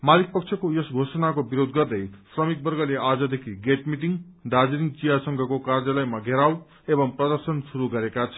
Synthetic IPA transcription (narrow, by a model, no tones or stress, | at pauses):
malik̚pʌkt͡sʰʌkojesɡʱosʌnakobiɾod̪ɡʌrd̪ʌjsrʌmik̚bʌrɡʌleʔad͡zʌd̪ekʰiɡeʈmiʈiŋd̪ad͡ziɾint͡sijasʌŋɡʱʌkokard͡zʌlʌjmaɡʱeɾaw | ebʌŋprʌd̪ʌrsʌnsuɾuɡʌɾekat͡sʰʌ